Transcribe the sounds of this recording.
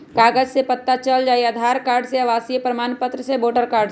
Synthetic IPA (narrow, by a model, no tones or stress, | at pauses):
kaːɡəd͡ʒsepət̪ːat͡ʃəld͡ʒaːiɐd̪ʱaːɾkaːɾɖseɐʋaːsiepɾɐmaːnpət̪ɾəseboːʈəɾkaːɾɖ